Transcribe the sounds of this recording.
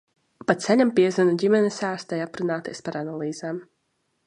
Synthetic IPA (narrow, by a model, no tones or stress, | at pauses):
pat̪saɲʲampiɛzɨnuɟʲimʲɛnɛsaːst̪ajapɾunaːt̪iɛspaɾanalˠiːz̥aːm